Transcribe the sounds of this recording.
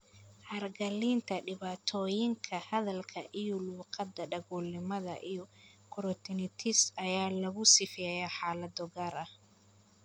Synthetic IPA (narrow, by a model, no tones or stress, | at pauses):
hɐrɡɐliːnt̪ʰɐɖɪβaːt̪ʰɔːjɪŋkʰɐhɐðɐlkʰɐʔijɔluːqɑd̪ːɐɖɐɣuːlːɪmɐðɐ̰ʔijɔkʰʊɾɔt̪ʰɪnɪt̪ʰɪsɐjaːlɐɣʊsɪfɪjɐjaːħaːlɐd̪ɔɡaːɾɐh